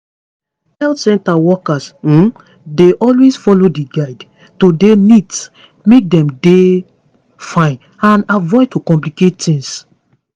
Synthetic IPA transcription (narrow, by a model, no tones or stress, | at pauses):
hɛltsɛ̃ntawɔkas̩ | deʔɔlwesfɔlodiɡaɪd | todenids | mek̚dɛ̃mde | fãɪ̃n | ãnavɔɪtokɔ̃mplikettĩŋs